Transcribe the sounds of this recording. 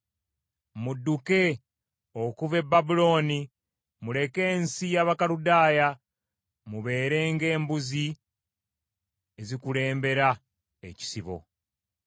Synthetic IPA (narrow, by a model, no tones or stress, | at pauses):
mudːuke̞ | okuve̞bːabulo̞ːni | mule̞ke̞ːnsijaːβakaludaːja | muβe̞ːɾe̞ːŋɡe̞ːmbuzi | ezikule̞ːmbe̞ɾa | ḛci̥siβo̞̰